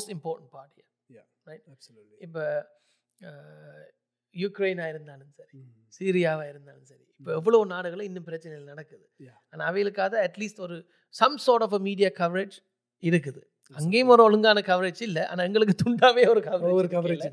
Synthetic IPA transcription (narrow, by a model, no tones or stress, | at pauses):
moːsʈɪmpoːɾʈɳʈ̚paːɾʈija̰ | ɾɐɪʈɪpːo | jʊkɾeɪnaːɪɾɯnd̪aːlɯmsɐɾi | siːɾɪjaːʋaːɪɾɯnd̪aːlɯmsɐɾḭɪpːoːɛʋːɐɭoːɔnaːɽɯɣɐɭɐ̃ɪnːɯmpɪɾɐt͡ʃːɐnɛjɪlnɐɽɐkːɯðɯ | aːnaːɐʋɐjɪlɯkːaːðɐɛʈliːsʈɔɾɯ | sɐmsoːɾʈɔːfɐmiːɽɪjaːkɐʋɐɾed͡ʒ | ɪɾɯk̬ːɯðɯ | ɐŋɡeːjɯmɔɾɐ̃ɔɭɯŋɡaːnɐkɐʋɐɾed͡ʒɪlːɛa̰ːnaːɛŋɡɐɭɯk̬ːɯt̪ʊɳɖaːʋeːɔɾɯkɐʋɐɾeɾkɐʋɐɾelː